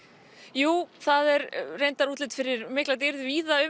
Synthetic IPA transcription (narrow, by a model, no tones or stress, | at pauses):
juːθaðɛɾrejnt̪aɾuːt̪lɪt̪fɪɾɪɾmɪhklat̪̬ɪɾðʏviːðaʏ